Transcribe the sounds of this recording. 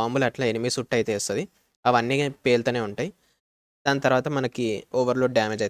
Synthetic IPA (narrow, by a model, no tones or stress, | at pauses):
aːmbulɐʈlaːenimisuʈːɐjt̪eːst̪od̪i | ɐʋɐnːipeːlt̪ɐːneːuɳʈaːji | d̪̥aːnɐt̪ɐɾʋaːt̪ɐmɐnɐkioːʋɐɾlo̞ːɖaːmeːd͡ʒɐj